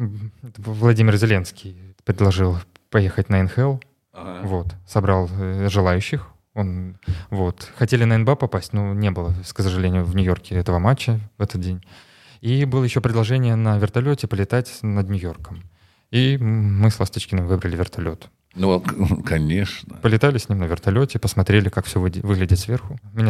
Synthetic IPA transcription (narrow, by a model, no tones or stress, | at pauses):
t̪əvlˠɐdʲimʲɪrzʲɪlʲe̞nskʲijpɾʲɪdlˠɐʐɨlˠ | pɐjexətʲnəɛnxɛlˠ | vo̞t̪sɐbɾɑlˠʐɨlˠajʉɕːɪx | o̞nvo̞t̪xɐtʲelʲɪnəɛnbɛpɐpasʲtʲnonʲe̞bɨlˠəksəʐɨlʲenʲɪjʊvnʲʊjo̞rkʲɪɛt̪əvəmat͡ɕːəvɛt̪ət̪̚dʲenʲ | ibɨlˠəjɪɕːopɾʲɪd̪lˠɐʐɛnʲɪjənəvʲɪrt̪ɐlʲotʲɪpəlʲɪt̪atʲnəd̪nʲʊjo̞rkəm | imɨslˠɐst̪ɨt͡ɕkʲɪnəmʲɪvɨbɾəlʲɪvʲɪrt̪ɐlʲo̞t̪ | nukɐnʲeʂnəpəlʲɪt̪alʲɪsʲnʲimnəvʲɪrt̪ɐlʲotʲɪpəsmɐt̪ɾʲelʲɪkakfsʲɵvvɨɡlʲɪdʲɪt̪ʲsvʲe̞rxʊmʲɪnʲ